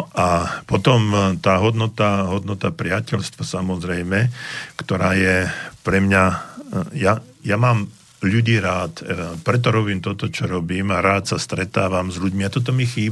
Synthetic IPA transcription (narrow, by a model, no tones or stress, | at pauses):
ʔapɔt̪ɔmt̪aːɦɔd̪nɔt̪aɦɔd̪nɔt̪apɾɪacɛʎst̪ʋɔsamɔzɾɛjmɛkt̪ɔɾaːjɛpɾɛmɲa | ja | jamaːm | ʎuɟiːɾaːt̪pɾɛt̪̬ɔɾɔbiːmt̪ɔt̪ɔt͡ʃɔɾɔbiːmaɾaːt̪sast̪ɾɛt̪aːʋamzʎuɟmiat̪ɔt̪̬ɔmixiː